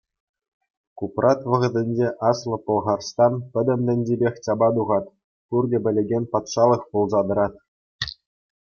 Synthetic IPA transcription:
kuprʔɑt̪ʋɤ̆ʁɤ̆dʲɘ̆nʲd͡ʑeʔɑslˠɤ̆pɤ̆lˠʁɑrst̪ɑnpʲɘ̆d̪ʲɘ̆md̪ʲɘ̆nʲdʲebʲexʲt͡ɕɑbɑd̪uʁɑt̪ | kurɡʲɘ̆bʲɘ̆lʲĕɡʲenʲpɑt̪ʂɑlˠɤ̆χpulˠzɑd̪ɤ̆ɾɑt̪

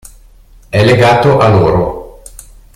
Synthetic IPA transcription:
ɛlːeɡaːt̪oʔaloːɾo

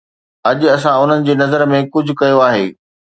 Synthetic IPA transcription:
ɐʄɐsãʊn̤ənɪ̆d͡ʑeːnɐzəɾmẽkʊd͡ʑʱʊ̆kɐjoaːɦḛː

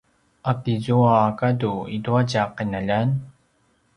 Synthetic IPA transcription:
ʔatizuaːkaduiduaɟaqinaʎan

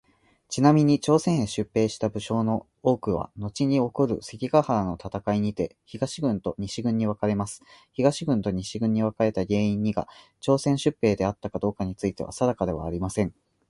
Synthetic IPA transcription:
t͡ɕinamʲiɲ̟it͡ɕo̞ːsẽ̞ɰ̃ɕɨpːe̞ːɕi̥t̪abɯ̟ɕo̞ːno̞ | o̞ːkɯ̟β̞a̰no̞t͡ɕiɲ̟io̞koɾɯ̟̰se̞kʲiɡahaɾano̞t̪at̪akaiɲ̟it̪e̞çiɡaɕiɡɯ̟̃nt̪o̞ɲ̟iɕiɡɯ̟̃ɲ̟ːiβakaɾe̞masɨ̥çiɡaɕiɡɯ̟̃nt̪o̞ɲ̟iɕiɡɯ̟̃ɲ̟ːiβakaɾe̞t̪aɡe̞ːĩɲ̟ːiɡa̰ | t͡ɕo̞ːsẽɰ̃ɕɨpːe̞ːd̪e̞at̪ːakad̪o̞ːkaɲ̟it͡sɨit̪e̞βa̰sad̪akad̪e̞βa̰ːɾʲimasẽ̞ŋ

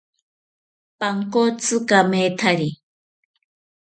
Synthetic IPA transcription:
paŋkot͡sɨkamet̪ʰaɾi

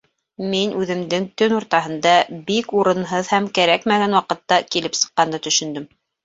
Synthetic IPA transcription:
minʔʉðɘ̆md̪ɘŋt̪ɵnuɾt̪ɑɦɤ̆nd̪ɑbikuɾɤ̆nɦɤðhæmkæɾækmæɡænwɑqɤ̆t̪ːɑkilɘpsɤ̥̆qːɑnd̪ɑt̪ɵ̆ʃɵ̆nd̪ɵm

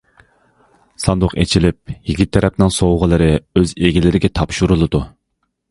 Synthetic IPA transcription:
sɑnd̪ʊqet͡ʃʰilɪp̚jiɡʲit̪ʰːɛɾɛpnɪŋsowʁəlˠɨɾɨøzeɡʲilɪɾɪɡʲɛt̪ʰɑpʃuɾulˠɨd̪u

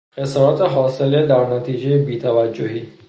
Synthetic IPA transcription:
xesɔːɾɔt̪ʰeɦɒːseled̪æɾnat̪ʰiːd͡ʒejebiːt̪ʰavad͡ʒːoɦiː

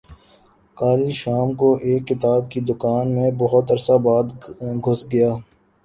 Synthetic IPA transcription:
kaːliʃaːmkoʔeːkːɪt̪aːb̚kid̪ʊkaːnmẽbɐɦʊt̪ɐɾsabaːd̪ɡʱʊsɡɐjaː

